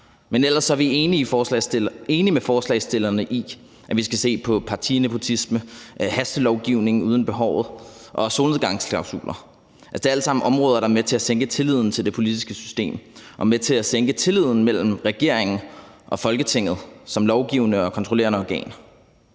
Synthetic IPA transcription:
menel̰ɐsːɒɐʋieːniː | e̝ːnimefɒːslɛ̰ɪsd̥e̝lɐnəʔi | ʔæʋisɡ̥æse̝̰ːpʰɒ̽pʰɑ̈t͡sʰine̝pʰo̝t͡sʰisməhæsd̥əlɒʊɡ̥iʊ̰ne̝ŋ̩uːð̞ˠn̩b̥e̝ɦɒʊ̰ð̞̩ˠʔɒ̽so̝ːlneɡɑ̈ŋsʰɑ̈ʊsṵːlɐ | ʔæd̥e̝æl̰sɑ̈m̰n̩ʔɒ̽mʁɔːð̞ˠɐɾ̥ɑ̈met͡sʰe̝æseŋ̰ɡ̥ət͡sʰe̝lið̞̰ˠn̩t͡sʰeld̥e̝pʰo̝lid̥isɡ̥əsy̥sd̥e̝̰ːmʔɒ̽met͡sʰe̝æseŋɡ̥ət͡sʰe̝lið̞̰ˠn̩mel̰m̩ʁɛɡ̥e̝ɐe̝ŋn̩ʔɒ̽fɒ̽lɡ̥ət͡sʰe̝ŋ̰ð̩ˠsɒ̽mlɒʊɡ̥iʊnəɒ̽kʰɒnt͡sʰʁole̝ːɐnəɒɡ̥ɛ̰ːn

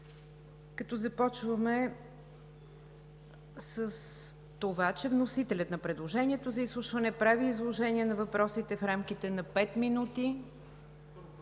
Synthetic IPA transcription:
kɐt̪ɔzɐpɔt͡ʃvəmɛ | səs | t̪ovat͡ʃɛvnosit̪ɛlʲət̪nɐpɾɛd̪lˠoʒɛniɛt̪ozɐislˠuʃvɐnɛpɾaviːzlˠoʒɛniɛnɐvɐpɾɔsit̪ɛfɾamk̟it̪ɛnɐpɛt̪minut̪i

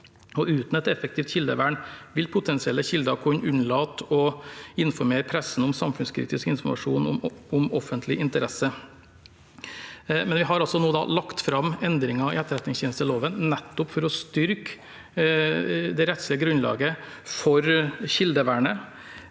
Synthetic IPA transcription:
ɔʉːt̪nɔɛt̪ɛfəkt̪ʰiːft̪çɪld̪ə̰ʋæːɳʋɪlpʰʊt̪ʰɛnsɪɛləçɪld̪əɑkʰʊɲʔʉnlɑːt̪ɔɪnfɔɾmeːɾpʰɾɛsn̩ʊmsɑmfʉnskʰɾḭːt̪ɪskɪnfɔɾmɑ̰ʂṵːnɔ̰ʊmɔfənt̪ʰlɪʔɪnt̪əɾɛsə | mɛnʋɪɦɑɾɑlsɔnuːəd̪ɑ̰lɑkt̪fɾɑmɛnd̪ɾɪŋɑɪ̰ɛt̪ːəɾɛæt̪nɪŋsjeːnəst̪ʰəloːʋənnɛt̪ːʊpfɔɾɔst̪ʏɾk | d̪ɛɾɛt̪slɪəɡɾʉnlɑ̰ːɡə | fɔɾçɪld̪əʋæːɳə

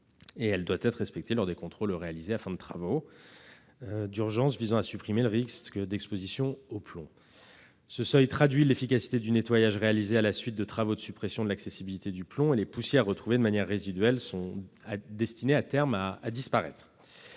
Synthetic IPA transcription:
eɛld̪wat̪ɛt̪χʁɛspɛk̚t̪elɔʁd̪ekɔ̃t̪χolʁealizeafɛ̃d̪ət̪χavo | d̪yʁʒɑ̃svizɑ̃asypχimeləʁikskd̪ɛkspozisjɔ̃oplɔ̰̃ | səsœjt̪χad̪ɥilefikasi̥t̪ed̪ynet̪wajaʒʁealizealasɥit̪̚d̪ət̪χavod̪əsypχesjɔ̃d̪əlaksesibilit̪ed̪yplɔ̃elepusjɛʁːət̪χuved̪əmanjɛʁːezid̪ɥɛlsɔ̃ad̪ɛst̪ineat̪ɛʁmaːd̪ispaʁɛ̰t̪χ

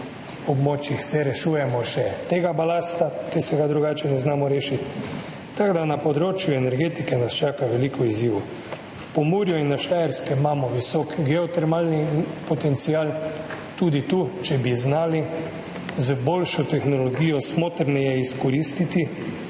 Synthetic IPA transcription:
ɔbmoːt͡ʃjixsɛɾɛʃuːjɛmɔʃɛt̪eːɡabalaːst̪akɛsɛɡad̪ɾuɡaːt͡ʃɛnɛznaːmɔɾeːʃit̪ː | aɡd̪anapɔd̪ɾoːt͡ʃjuɛnɛɾɡeːt̪ikɛnast͡ʃaːkaʋɛliːkɔizjiːʋu | fpomuːɾjuinːaʃlajɛɾskɛmaːmɔʋisɔːkɡɛɔt̪ɛɾmalnipɔt̪ɛnt̪siaːl | t̪uːd̪it̪uːt͡ʃɛbiznaːli | zboːlʃɔt̪ɛxnɔlɔɡiːjɔsmoːt̪ɾnɛjɛiskɔɾiːst̪it̪i

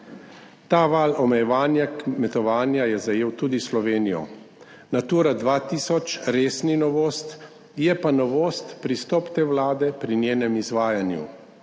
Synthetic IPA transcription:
t̪aːʋaːlɔmɛjɛʋaːnjakmɛt̪ɔʋaːnjajɛzajeːwt̪uːd̪islɔʋeːnijɔ̰ | nat̪uːɾad̪ʋaːt̪iːsɔt͡ʃɾeːsninɔʋoːst̪ | jɛpanɔʋoːst̪pɾist̪ɔːpt̪eːwlaːd̪ɛpɾinjeːnɛmizʋaːjanjṵ

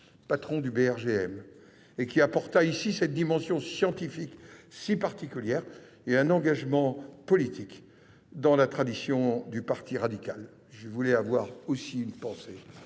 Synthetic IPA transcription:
pat̪χɔ̃d̪ybeɛʁʒeɛm | ekʲiapɔʁt̪aisisɛt̪̚d̪imɑ̃sjɔ̃sjɑ̃t̪ifiksipaʁt̪ikʲyljɛʁ | eɛ̃nɑ̃ɡaʒmɑ̃pɔlit̪ʰik | d̪ɑ̃lat̪χad̪isjɔ̃d̪ypaʁt̪iʁad̪ikʲal | ʒəvulɛavwaʁosiynpɑ̃se

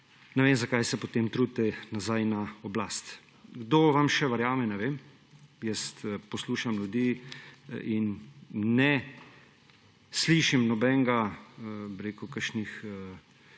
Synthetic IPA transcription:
nɛʋeːmzakajsɛpɔt̪eːmt̪ɾuːd̪̚t̪ɛnazajnaɔblaːst̪ | ɡd̪oːʋamʃɛʋɐɾjaːmɛnɛʋeːm | jɛst̪pɔsluːʃamljud̪iː | inː | ɛ | sliːʃimnɔbɛŋɡa | biɾeːkukəɾʃnixə

